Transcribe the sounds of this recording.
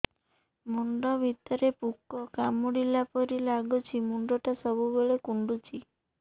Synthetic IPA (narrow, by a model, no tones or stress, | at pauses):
muɳɖɔbʱit̪ɔɾepukːɔkamuɽilapɔɾilaɡut͡ʃʰimuɳɖɔʈasɔbubeɭekuɳɖut͡ʃʰi